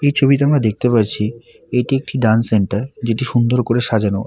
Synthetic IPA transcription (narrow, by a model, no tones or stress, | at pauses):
ejt͡ɕʰobiteamɾad̪ek̚t̪epaɾt͡ɕʰi | eʈiek̚ʈiɖanseɳʈaɾd͡ʑeʈiʃund̪oɾkoɾeʃad͡ʑano